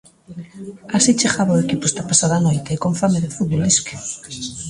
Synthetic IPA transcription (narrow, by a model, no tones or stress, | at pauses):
asit͡ʃeɣaβaoekipʊest̪apasaðanojt̪eːkoɱfameðefuð̚βoliske̥